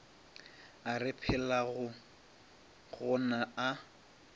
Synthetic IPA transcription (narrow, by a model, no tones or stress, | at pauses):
arɪpʰɪlaɣʊ | ɣʊnaa